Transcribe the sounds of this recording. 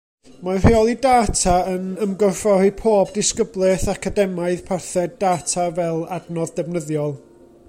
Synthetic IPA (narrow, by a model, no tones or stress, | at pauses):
mareɔlˠidaːtʰaənəmɡɔrfɔhipʰoːbdɪskəblˠɛθakʰadɛmaɨðpʰarθɛdaːtʰavɛlˠadnɔðdɛvnəðjɔlˠ